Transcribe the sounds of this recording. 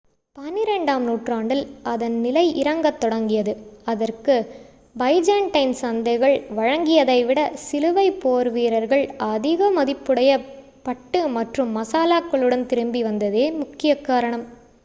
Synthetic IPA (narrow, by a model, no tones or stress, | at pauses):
pɐnɪɾɛɳɖaːmnuːʈraːɳɖɪlʔɐðɐnnɪlɐɪʔɪɾɐŋɡɐt̪ːɔɽɐŋɡɪjɐðɯɐðɐrkɯ | bɐɪd͡ʒaːɳʈɐɪnsɐnd̪ɐɪɣɐɭʋɐɻɐŋɡɪjɐðɐɪʋɪɽɐsɪlɯʋɐɪpoːɾʋiːɾɐɾɣɐɭɐðɪɣɐmɐðɪpːɯɽɐjɐ | pɐʈːɯmɐʈrɯmːɐsaːlaːkːɐɭɯɽɐnt̪ɪɾɯmbiʋɐnd̪ɐðeːmʊkːɪjɐkːaːɾɐɳɐm